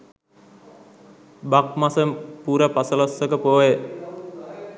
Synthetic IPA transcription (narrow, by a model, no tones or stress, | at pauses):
bak̚masəpuɾəpasəlasːəkəpoe